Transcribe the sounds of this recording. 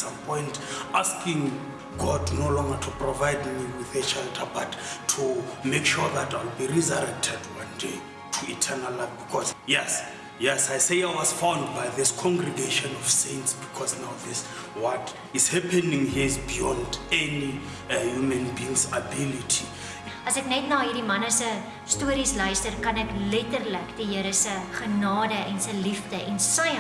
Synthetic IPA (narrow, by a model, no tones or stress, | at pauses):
sãmpʰɔ̃jntʰaskĩŋ | ɡɔdnolɔ̃ŋɡatʰuprɔvajdmiwiθɛʃɛltʰabatʰːumekʃuðatʰajlbirizɔɾɛk̚tʰɛdwãndḛ | tʰuitʰɛnalabikʰɔsjɛs | jɛsajseawɔzfãwndbajðiskʰɔ̃ŋɡrɛɡeʃɔ̃nɔfsẽntsbikʰɔsnawðis | wɔt | izhɛpʰɛnĩŋhizbijɔ̃ndɛni | hjumɛ̃nbĩŋsabilitʰi | ɐsɛknɛtnɑːɦiːrdimɐnəsə | stuəɾislœɥstərkɐnɛklɛtərləkdiɦəɾəsəχənɑːdəʔɛnsəlifdəʔɛnsə